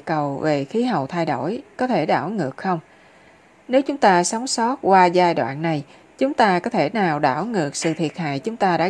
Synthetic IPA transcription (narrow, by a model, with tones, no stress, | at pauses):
kə˨˩wve˨˩xi˨˦ɦə̰˧˨wt̪ʰa˧jɗo˧˩jkɔ˨˦t̪ʰe˧˩ɗa̰ː˧˩wŋɨ˨˩ək̚xə˧wŋ͡m | ne˨˦wt͡ɕʊ˨˦ŋ͡mt̪aː˧sa˨˦wŋ͡msɔ˦˥t̚kwaː˧zaː˧jɗwa̰ː˧˨nːa˨˩j | t͡ɕʊ˨˦ŋ͡mt̪aː˧kɔ˨˦t̪ʰe˧˩naː˨˩wɗa̰ː˧˩wŋɨ˨˩ək̚sɨ̰˧˨t̪ʰi˨˩ət̚ha̰ː˧˨jt͡ɕʊ˨˦ŋ͡mt̪aː˧ɗa̰ː˧˥